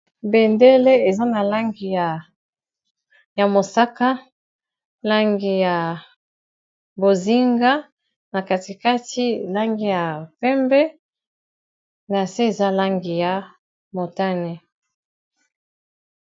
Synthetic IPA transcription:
bɛ˨nde˦le˦e˨za˦na˨la˦ŋɡi˨a˨ | ja˨mo˨sa˦ka˦ | la˦ŋɡi˨ja˨ | bo˨zi˦ŋɡa˦ | na˨ka˨ti˨ka˦ti˦la˦ŋɡi˨ja˨pɛ˦mbɛ˦ | na˨se˦e˨za˦la˦ŋɡi˨ja˨˦ | mo˨ta˦ne˦

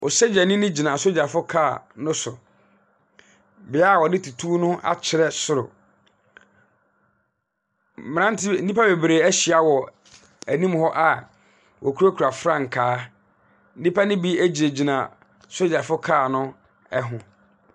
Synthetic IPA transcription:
ɔ˨sɛ˦d͡ʑɛ˨nɪ̃˦nɪ̃˦d͡ʑi˨nã˨so˦d͡ʑa˨fʊ˦kʰa˦˨nʊ̃˦sʊ˨ | bɪ˨˦a˦˨wɔ˨nɪ̃˦tʰu˨tʰuː˦nʊ̃˦ʔa̰˨t͡ɕʰɪ˨ɾɛ˦sʊ˦˨ɾʊ̰˨ | m̃˨˦ã˦n˦tʰɪ˦n̩˦di˦pa˦be˨bɾe˨æ˦ɕɪ˨a˨wɔ˨ | æ˨nĩ˦mhɔ˦ʔa˨ | wʔɔ˨kʰu˦ɾo˦kʰɾa˨fɾã˦ŋ̩˨kʰaː˦ | n̩˦ĩ˦pʰa˦nɪ̃˦bi˦æ˦d͡ʑi˨e˨d͡ʑi˨nã˨ | so˦d͡ʑa˨fʊ˦kʰaː˦˨nʊ̃˦ | ɛ˦ɦʊ̃˨

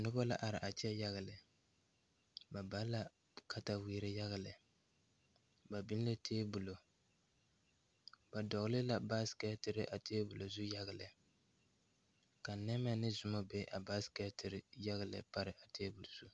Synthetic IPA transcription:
nʊ˦ba˦la̰˦ʔa˨ɾɪ˨ʔa˨t͡ʃɛ˦ja˦ɣa˨lɨ˨ | ba˨ba˦la˦ | ka˦ta˦wiː˦ɾɪ˦ja˦ɣa˨lɪ˨ | ba˨bɪ˦n˦lɨ˦tʰeː˦bu˨lo˨ | ba˨dɔ˨ɣlɪ˦la˨ba˦skɛ˦tɪ˨ɾɪ˦ʔa˨teː˦bʊ˨lo˨zʊ˦ja˦ɣa˨lɨ˨ | ka˨nɛ˦mɛ˦nɨ˦zʊ˨ma˦bɛ˦ʔa˨baː˦skɛ˦tɪ˨ɾɪ˨˦ja˦ɣa˨lɨ̰˨pa˦ɾɪ˨ʔa˨teː˦bu˨lzu˦

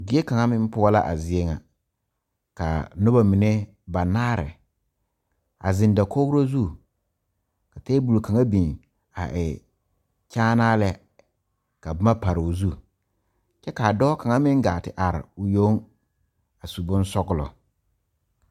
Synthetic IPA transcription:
ɡɪ˦e˦ka˨ŋa˦mɪ˦m˦pʊ˦ɔ˦la̰˦ʔa̰˨zɪ˨e˦ŋa˨ | ka̰˨nʊ˦ba˨mɪ˨ne˦ | ba˨naː˦ɾɛ̰˨ | a̰˨zɪ˨nda˨ko˦ɡɾo˦zu˦˨ | ka˨teː˦bu˨lka˨ŋa˦bi˨ŋ | a̰˨ʔɪ˨ | t͡ʃaː˦naː˦lɛ˦ | ka˨ba˦ma˦pa˨ɾɪ˨ʊ˨zu˦˨ | t͡ʃɛ˦ka˨dɔː˦ka˨ŋa˦mɪ˦ŋɡaː˨tɪ˨ʔa˨ɾɪ̰˨ʊ˨jo˦ŋ | a˨su˨bʊ˦n˦sɔ˦ɡʊ˦lɔ̰˨

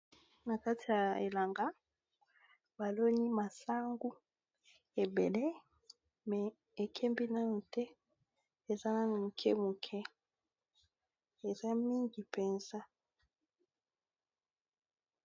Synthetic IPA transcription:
na˨ka˦tʰi˨ja˨ḛ˨la˨ŋɡa˦ | ba˨lo˦ɲi˦ma˨sa˦ŋɡu˦ | e˨be˨le˦ | mɛ˨ | e˨kʰɛ˦mbi˦na˦no˨tɛ˦ | e˨za˦na˦n˨mu˨kʰɛ̰˦mu˨kʰɛ˦ | e˨za˦mi˦ŋɡi˨pɛ˨nza˦

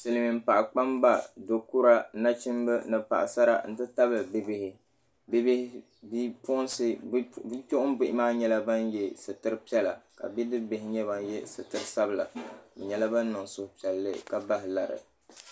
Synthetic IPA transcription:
sɨ˨lɨ˨mi˨m̩˦pa˨ʔa˨k͡pa˦mba˦˨do˨ku˦ɾa˦na˦t͡ʃɪ˦mbɨ˦nɨ˨pa̰˨ʔa˨sa˦ɾa̰˨n̩˦tɨ˦ta˦bɨ˨bɪ˦bɪ˦hɪ˨ | bb | bi˦pʊ˦n˦sɨ˦bi˦po˦ʔʊ˦m˦bɪ˦ʔɪ˦maː˦ɲɛ˦la˦ba˦njɛ˦sɨ˨tɨ˦ɾɨ˦pi˦ɛ˦la˨ka̰˨bi˦dɨ˦bɪ˨ɦɪ˦ɲɛ˦ba˨n˦jɛ˦sɨ˨tɨ˦ɾɨ˦sa˦bɨ˦˨la̰˨bɛ˨ɲɛ˦la˦ba˦n˦nɨ˨ŋsʊ˦hʊ˦pi˨ɛ˨lːɨ̰˦ka˦ba˦ɦɪ˨la˨ɾɨ̰˨

